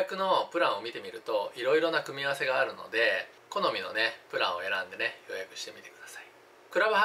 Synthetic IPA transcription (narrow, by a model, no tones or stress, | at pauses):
akɯ̟no̞pɯ̟ɾãɰ̃o̞mʲit̪e̞mʲiɾɯ̟t̪o̞iɾo̞iɾo̞nakɯ̟mʲiaβase̞ɡaːɾɯ̟no̞̰d̪e̞ | ko̞no̞mʲino̞̰ne̞pɯ̟ɾã̰ɰ̃o̞̰e̞ɾã̰nd̪e̞nejo̞jakɯ̟ɕi̥t̪e̞mʲit̪e̞̥kɯ̟d̪̥asai̥ | kɯ̟ɾabɯ̟ha